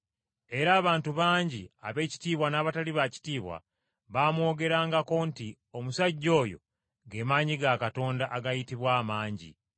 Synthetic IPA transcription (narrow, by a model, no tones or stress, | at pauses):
e̞ɾaːβaːntuβaːɲɟia̰βe̞ːci̥tiːβwanaːβataliβaci̥tiːβwa̰ | βaːmwo̞ːɡe̞ɾaːŋɡako̞nti | o̞musaɟːo̞ːjo̞̰ | ɡe̞maːɲiɡakato̞ːndaʔaɡajitiβwaːmaːɲɟḭ